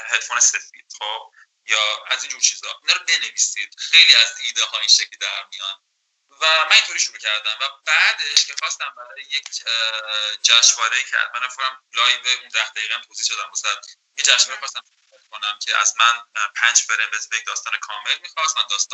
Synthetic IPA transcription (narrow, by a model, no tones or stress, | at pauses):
helfoːnese̞fḭːd̪̥χob̥̚ | jɒːæziːnd͡ʒuːɾt͡ʃʰiːzɒʔinɒːɾɔbe̞neviːsid̪̥̚xe̞jliæziːd̪ɛɦɒinʃecʰlid̪æɾmijɒn | væmænint̪ʰoɾiːʃuɾuːcʰæɾd̪æmvæbæːd̪eʃcʰe̞xɒst̪æmbæɾɒːɒːjejecʰ | d͡ʒæʃvɒːɾeiːcʰeæ̰zmænefonæmlɒːjbeund̪æhd̪æjiːɣææmt̪ʰoːziːhʃod̪æmmæsælæn | ind͡ʒæʃvɒːɾexɒst̪æmsoɾæt̪kʰo̞næmcʰeʔæ̰zmænpʰænd͡ʒbeɾemet̪ʰbeekd̪ɒːst̪ɒːnekʰɒːme̞lmixɒst̪mænd̪ɒːst̪ː